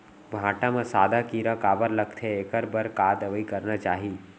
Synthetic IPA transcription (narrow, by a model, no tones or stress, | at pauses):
bʱãːʈamãsaːd̪ʱakiɾãkaːbəɾləkt̪ʰeeːkəɾbəɾkaːd̪əʋəikəɾnat͡ʃaːɦiː